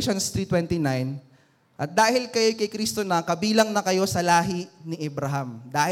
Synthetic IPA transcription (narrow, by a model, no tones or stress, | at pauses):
ʃonst̪ɾit̪wɛnt̪inajn | ʔɐt̪̚d̪aːhɪlkɐjokɐjkɾist̪onɐkɐbiːlɐŋnɐkɐjo̞sɐlaːɦiniʔɛbɾaɦamd̪aːh